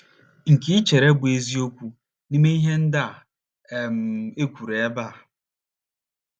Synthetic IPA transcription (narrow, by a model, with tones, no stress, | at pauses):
ŋ̩˨ki˦t͡ʃe˨ɾe˦bʊ˨e˦zi˦o˦kʷu˦ | ni˦me˦i˦ɦe˦n̩˦da˦˨ | m̩˨e˦kʷu˨ɾe˨˦ba˦˨